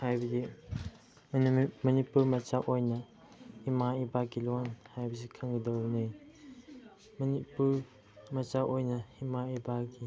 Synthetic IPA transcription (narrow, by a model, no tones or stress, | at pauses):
hajbɐdi | mɐnipuɾmɐt͡ʃaʔojnɐ | himaibakɡilonhajbɐsikʰɐŋɡɐdɐwnɯj | mɐnipuɾ | mɐt͡ʃaʔojnɐhimaibaɡi